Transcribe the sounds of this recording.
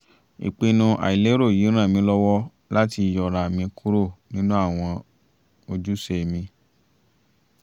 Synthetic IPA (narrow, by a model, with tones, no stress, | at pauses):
ḭ˨k͡pe˧nũ˧ʔa̰˨i˨le˨˦ɾo˦˨ji˨˦ɾ̃ã˦˨mĩ˧˦lɔ˦wɔ˦ | la˦ti˧jɔ˨ɾa˨mĩ˧kʰu˦ɾo˦˨nĩ˦nũ˦a˦˨w̃ɔ̃˧ | o˧d͡ʒu˦se˦˨mĩ˧